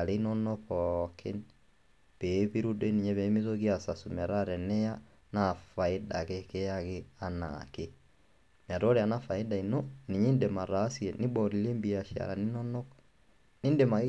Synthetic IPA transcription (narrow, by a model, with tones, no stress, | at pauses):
a˨ɾe˦i˦nɔ˦nɔ˦pɔkʰe˦n | pe˨pi˦ɾu˦de˦ni˨ɲɛ˦βe˨˦mi˦to˦ɣi˦a˨sa˨su˨mɛ˨ɾa˦ɾɛ˨nɛ˦ja˦ | na˨fa˨e˦da˨keke˦ja˦ke˦a˨na̰˨ke˦ | m˨a˨ɾɔ˦ɾe˨a˨na˦fa˨e˦da˨i˨nɔ˦ne˨ɲe˦nde˨ma˨ɾa˨˦sjɛ˨ni˦bɔ˨ɾi˨le˦mbi˨a˨ʃia̰˨ɾa˨ni˦nɔ˦nɔ˦k | ni˦nde˨ma˨